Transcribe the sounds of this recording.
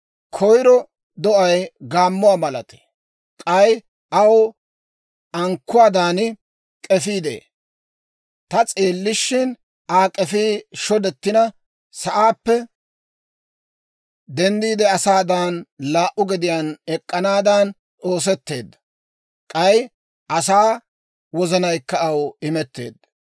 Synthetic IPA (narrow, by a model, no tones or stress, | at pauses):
kʰɔjɾɔ | d̪ɔʔɐjɡaːmːʊaːmɐlɐt̪ɛ̥ | kʼɐj | ʔɐw | ɐŋkːʊwaːd̪aːnɪ | kʼɛfiːd̪ḛː | t̪ɐt͡sʼeːlːɪʃːɪn | aːkʼɛfiːʃɔd̪ɛt̪ːɪnɐ | sɐʔaːpːɛ | d̪ɛnd̪iːd̪ɛɐsaːd̪aːnlaːʔʊɡɪd̪ɪjaːnɛkʼːɐnaːd̪an | o̞ːs̬ɛt̪ːe̞ːd̪ːɐ | kʼɐj | ʔɐsaː | wɔzɐnɐjkːɐɐwɪmɛt̪ːe̞̰ːd̪ːɐ